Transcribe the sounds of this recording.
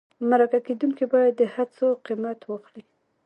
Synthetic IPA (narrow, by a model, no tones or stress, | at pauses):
maɾakaked̪unkibɑjad̪ːəhat͡soqimat̪wəxɽi